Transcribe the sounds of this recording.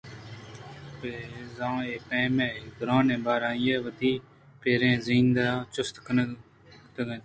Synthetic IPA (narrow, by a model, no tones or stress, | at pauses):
peːzãːeːpẽːmẽːɡɾãːnẽːbaːɾãːjeːʋəd̪iː | peːɾẽːzĩːnd̪aːt͡ʃʊst̪k | t̪əɡən